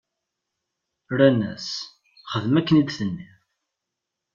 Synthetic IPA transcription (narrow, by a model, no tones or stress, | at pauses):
ɾænæ̰s | χəðmækːənid̪θənːi